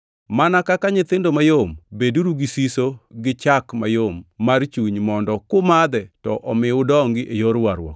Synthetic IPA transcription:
manakakaɲɪt̪ɪndomajombeduɾuɡisisoɡɪt͡ʃakma̰jomːart͡ʃuɲmɔndɔkʊmad̪ɛtɔʔɔmɪʊdɔŋɡɪʔejoɾwaɾwɔ̰k

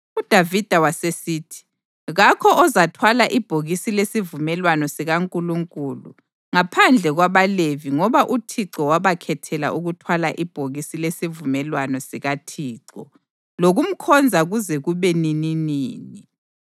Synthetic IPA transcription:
ud̥ʱavid̥ʱawasesiːtʰi̥ | ɣakʰɔɔzatʰwalaʔib̥ʱoɣisilesivumɛlwanɔsiɣaŋkʼuluŋkʼuːlṵ | ŋapʰand͡ɮʱɛɣwaβaleviŋɔβaʔutʰiǀɔwaβakʰɛtʰɛla̰ʔuɣutʰwalaʔib̥ʱoɣisilesivumɛlwanɔsiɣatʰiːǀɔ̰ | loɣum̩kʰɔnd͡zʱaɣuzɛɣuβɛnininiːni

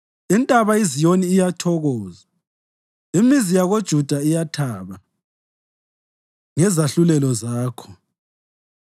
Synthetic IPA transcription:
ɛntʼaβaizijoniːjatʰɔɣɔːza | imizijaɣod̥ʒ̥ʱud̥ʱaijatʰaːβa | ŋɛzaɬulɛlɔzaːkʰɔ̥

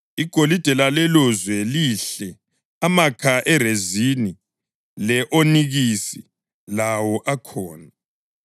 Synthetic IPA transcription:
iɡ̥ʱolid̥ʱɛlalɛlɔzwɛliɬɛ | amakʰaʔɛrezini | lɛʔoniɣisi | lawɔʔakʰɔːna

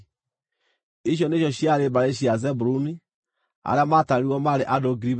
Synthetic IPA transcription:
iʃ̬jɔneʃjɔɕjaɾebaɾeʃiazɛbuɾuni | a̰ɾeamataɾiwɔmaɾeʔadoɡiɾib

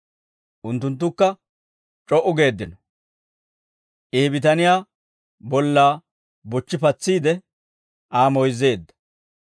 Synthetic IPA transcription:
ʔʊnt̪ːʊnt̪̬ːʊkːɐ | t͡ʃʼɔʔʊɡe̞ːd̪ːɪnɔ | ʔeːbɪt̪ɐnɪjaː | bɔlːaː | bɔt͡ʃːɪpɐt͡sːiːd̪ɛ | ʔaːmɔjze̞ːd̪ːɐ̥

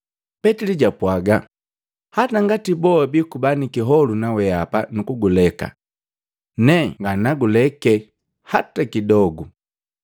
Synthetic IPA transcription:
pɛtiliɟapwaɡa | hataŋɡatibɔabikubanikiɦɔlunawɛapanukuɡulɛka̰ | nɛŋɡanaɡulɛkɛ | hatakidɔɡu

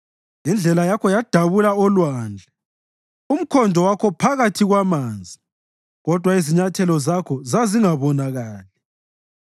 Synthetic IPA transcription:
jind͡ɮʱɛlajakʰɔjad̥ʱaβulaɔlwaːnd͡ɮʱɛ | um̩kʰɔndʱɔwakʰɔpʰaɣatʰiɣwamaːnd͡zʱi | ɣɔd̥ʱwaiziɲatʰɛlɔzakʰɔzaziŋaβɔnaɣaːlɛ

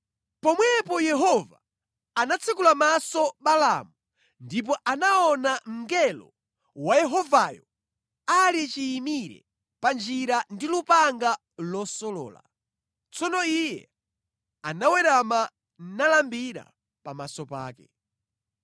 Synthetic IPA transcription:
pɔmwɛpɔjɛɦɔva | anat͡sʰikulamasɔɓala̰mu | ndip̬ɔʔanaɔnam̩ŋɡɛlɔ̰ | wajɛɦɔvajɔ | alit͡ʃiːmiɾɛ̰ | pand͡ʒiɾandilupaŋɡa | lɔsɔlɔ̰ːla̰ | t͡sɔnɔijɛ | anawɛɾama | n̩nalambiɾa̰ | pamasɔpa̰ːkɛ̰

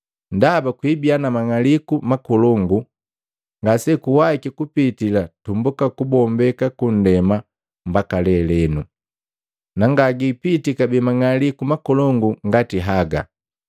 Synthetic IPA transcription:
ndabakwibianamaŋalikumakɔlɔŋɡu | ŋɡasɛkuwaikikupitilatumbukakubɔmbɛkakun̩dɛma | m̩bakalɛlɛnu | naŋɡaɡipitikabɛmaŋalikumakɔlɔŋɡuŋɡatiɦaɡa̰

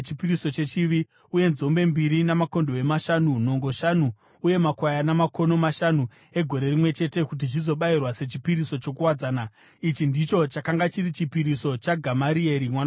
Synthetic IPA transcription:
t͡ʃipiɾiso̞t͡ʃe̞t͡ʃiʋi | uje̞nzo̞mbe̞mbiɾinamako̞ndoe̞maʃanuno̞ŋɡo̞ʃanuː | je̞makwajanamako̞no̞maʃanu | e̞ɡʱo̞ɾe̞rimwe̞t͡ʃe̞te̞kut̬it͡ʃizo̞ɓairwase̞t͡ʃipiɾiso̞t͡ʃo̞k̬uwad͡zaːna | it͡ʃindit͡ʃo̞t͡ʃakaŋɡat͡ʃiɾit͡ʃipiɾiso̞t͡ʃaɡʱamaɾie̞ɾimwana

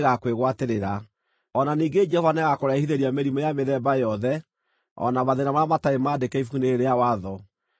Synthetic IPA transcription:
ɣakweɣwateɾeɾa | ɔnaniːɡed͡ʒɛhɔvanɛɣakoɾaihiðeɾiameɾimɔjameðɛbajɔðɛ | ɔ̰namaðenamaamataemaːdekɛifukuneeɾeawaðɔ

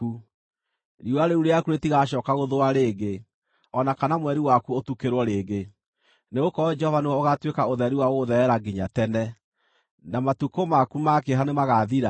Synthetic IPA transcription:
u | ɾiwaɾeuɾeakuɾetiɣaʃɔːkaɣoðoaɾeːɡe | ɔnakanamwɛɾiwakuotukeɾwɔɾeːɡe | neɣokɔd͡ʒɛhɔvaneɔoɣatwekaoðɛɾiwaoðɛɛɾaɡiɲatɛnɛ | namatukomakumakeɦanemaɣaðiɾa

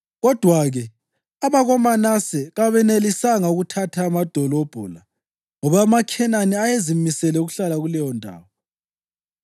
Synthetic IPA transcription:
ɣɔd̥ʱwaɣɛ | aβaɣɔmanasɛɣaβɛnelisaŋauɣutʰatʰaːmad̥ʱɔlob̥ʱṵla | ŋɔβaːmakʰɛnaniajezimisɛlɛuɣuɬalaɣulɛjɔndʱa̰ːwɔ

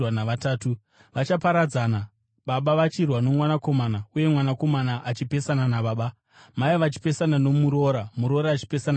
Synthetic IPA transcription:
wanaʋataːtu | ʋat͡ʃapaɾad͡zaːna | ɓaɓaʋat͡ʃirwano̞mwanako̞manauje̞mwanako̞manaʔat͡ʃipe̞sananaɓaːɓa | maiʋat͡ʃi̥pe̞sanano̞muɾo̞ːɾamuɾo̞ɾaːt͡ʃi̥pe̞sana

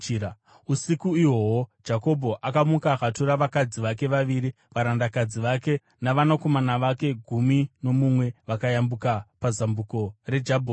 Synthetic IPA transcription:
usikuiwowod͡ʒako̞bʱo̞ʔakamukakatuɾaʋakad͡ziʋake̞ʋaʋiɾi | ʋaɾandakad͡ziʋake̞ | naʋanako̞manaʋake̞ɡʱumino̞mumwe̞ʋakajambukapazambuko̞re̞d͡ʒabʱo

